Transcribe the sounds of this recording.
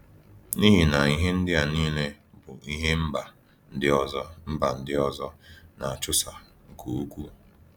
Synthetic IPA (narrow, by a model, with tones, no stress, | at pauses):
ni˦ɦi˨na˨i˦ɦe˦n̩˦dɪ˦a˨niː˦le˦ | bʊ˨i˦ɦe˦m̩˦ba˨ | n̩˨dɪ˦ɔ˦zɔ˦m̩˦ba˨n̩˦dɪ˦ɔ˦zɔ˦na˨a˨t͡ʃʊ˦sa˨ | ŋ̩˨ko˨u˦kʷu˦